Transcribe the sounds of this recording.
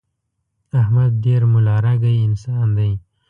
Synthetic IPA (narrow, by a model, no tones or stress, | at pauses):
ahmad̪̚ːeɾmʊlɑːɾaɡajɪnsɑnd̪aj